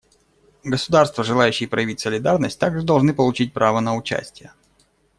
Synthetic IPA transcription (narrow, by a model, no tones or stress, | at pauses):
ɡəsʊd̪arst̪vəʐɨlˠajʏɕːɪjəpɾəjɪvʲitʲsəlʲɪd̪arnəsʲt̚ʲt̪aɡʐɨd̪ɐlˠʐnɨpəlˠʊt͡ɕit̚ʲpɾʔavənəʊt͡ɕæ̰sʲtʲɪjə